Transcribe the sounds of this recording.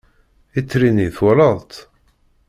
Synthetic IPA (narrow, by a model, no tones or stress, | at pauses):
it͡sːɾiniθʊɾɑðˤt̪